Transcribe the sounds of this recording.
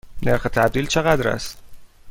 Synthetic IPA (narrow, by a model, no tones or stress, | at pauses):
ne̞ɾxet̪ʰæb̚d̪iːlt͡ʃʰeɣæd̪ɾæ̰st̪